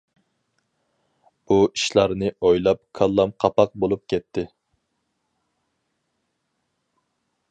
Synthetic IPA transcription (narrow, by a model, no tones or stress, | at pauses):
uiʃlˠɑɾnɨojlˠɑp̚kʰɑlˠːɑmqʰɑpɑq̚bolˠup̚kʲʰɛt̪ʰːɪ